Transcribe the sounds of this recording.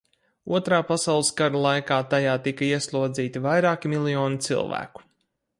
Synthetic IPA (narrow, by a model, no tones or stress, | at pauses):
ṵɔt̪ɾaːpasawlˠɨsɡaɾalˠajkaːt̪ajaːt̪ikɐiɛslˠuɔd̪ziːt̪ivajɾaːkimilˠijɔːnit̪sḭlˠvæ̰ːku̥